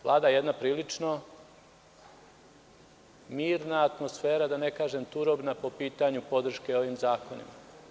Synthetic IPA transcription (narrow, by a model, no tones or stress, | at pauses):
ʋlˠaːd̪ajje̞d̪napɾiːlit͡ʃno | miːɾnaːt̪mo̞sfeːɾad̪anekaːʒemt̪uɾo̞bnapo̞piːt̪aɲupo̞d̪r̩ʃke̞o̞ʋimzaːko̞nḭma